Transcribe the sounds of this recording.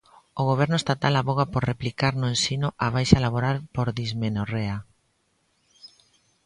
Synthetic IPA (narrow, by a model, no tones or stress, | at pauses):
oɣ̞oβ̞ɛɾnʊest̪at̪alaβoɣapoɾreplikaɾnʊensinʊʔaβ̞ajʃalaβ̞oɾalpoɾðizmenorea